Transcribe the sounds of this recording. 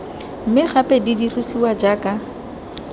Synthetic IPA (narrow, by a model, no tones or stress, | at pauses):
m̩mɪχapʼɛdidirusiwad͡ʒaːkʼa